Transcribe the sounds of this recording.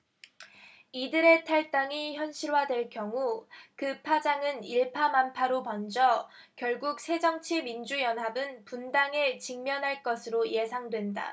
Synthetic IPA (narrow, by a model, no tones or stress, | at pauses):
idɯɾe̞tʰaɭt͈aŋiçjʌnɕʰiɾwadwe̞ɭk͈jʌŋukɯpʰad͡ʑaŋɯniɭpʰamanpʰaɾopʌnd͡ʑʌ | kjʌɭɡuk̚sʰe̞d͡ʑʌŋt͡ɕʰimind͡ʑujʌnɦabɯnpundaŋe̞t͡ɕiŋmjʌnɦaɭk͈ʌsʰɯɾoje̞sʰaŋdwe̞nda̰